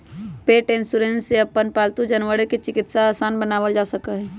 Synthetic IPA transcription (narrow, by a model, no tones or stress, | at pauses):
peːʈɪnsuɾẽnseəpːənpaːlt̪ud͡ʒənʋəɽeket͡ʃɪkɪt̪saaːsaːnbənaːʋəld͡ʒaːsəkəɦɛ̃ː